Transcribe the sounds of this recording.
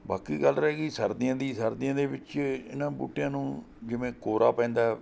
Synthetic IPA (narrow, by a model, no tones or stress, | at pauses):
baːkiːɡəlɾɛɛːɡiːsəɾd̪ɪjãːd̪iːsəɾd̪ɪãːd̪eːʋɪt͡ʃɪ̰nãːbṵːʈjãːnũː | d͡ʒɪʋẽːkoːɾaːpɛ̃ːnd̪aː